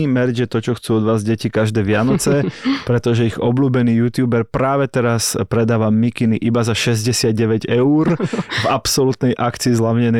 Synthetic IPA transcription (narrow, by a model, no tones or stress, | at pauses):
imɛɾd͡ʒjɛt̪ɔt͡ʃɔxt͡suːɔd̪ʋaːzɟɛcikaʒd̪ɛːʋɪanɔt͡sɛpɾɛt̪ɔʒɛiɣɔbluːbɛniːjut̪juːbɛɾpɾaːʋɛt̪ɛɾaspɾɛd̪aːʋamikiniʔibazaʃɛzɟɛsɪad̪ɟɛʋɛɟɛuɾvapsɔlut̪nɛjʔakt͡siːzlaʋɲɛnɛ